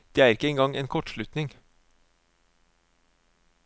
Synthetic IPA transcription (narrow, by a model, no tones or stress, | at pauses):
d̪̥eːæːɾɪkəeːŋɡɑŋeːnkʰɔʈʃɭʉt̪nɪŋ